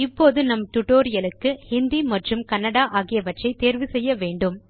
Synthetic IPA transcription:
ɪpːoːðɯnɐmʈʊʈoːɾɪjɐlɯkːɯhɪnd̪imɐʈrɯmkɐnːɐɽaːʔaːɣɪjɐʋɐʈrɐɪt̪eːɾʋɯsɛjːɐʋeːɳɖɯm

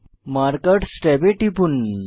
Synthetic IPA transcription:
maɾkəʈsʈɛbeʈipun

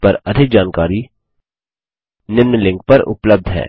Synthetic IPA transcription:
pɐɾɐd̪ʱɪk̚d͡ʒaːnkaːɾi | nɪmnlɪ̃ŋk̚pɐɾʊ̰pləb̚d̪ʱɦɛ̰ː

